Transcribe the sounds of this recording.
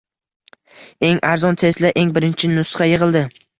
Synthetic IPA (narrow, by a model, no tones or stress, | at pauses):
e̞ŋaɾzɒnt̪ʰe̞zlaʔe̞ŋbɪɾɪnt͡ʃʰɪnʊsχɑjɨʁɨlˠd̪ɪ